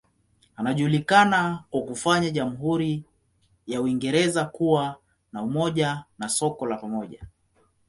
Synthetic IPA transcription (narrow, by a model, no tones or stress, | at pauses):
anaʄuːlikanakwakufaɲaʄamuɦuɾi | jauiŋɡɛɾɛzakuwa | naumɔʄanasɔkɔlapamɔʄa̰